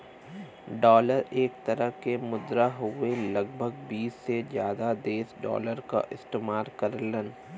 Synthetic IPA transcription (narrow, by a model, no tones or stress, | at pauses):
ɖɔːləɾeːk̚t̪əɾəɦkemʊd̪ɾaɦʊelɐɡ̚bʱəɡbiːsːed͡ʒjaːd̪ad̪eːsɖɔ̰ːləɾka̰ʔɪst̪eːmaːɾkɐɾlən